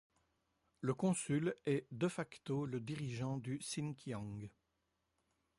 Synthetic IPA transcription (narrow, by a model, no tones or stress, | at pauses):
ləkɔ̃sylɛd̪əfakt̪oləd̪iʁiʒɑ̃d̪ysinkʲjɔ̃ɡ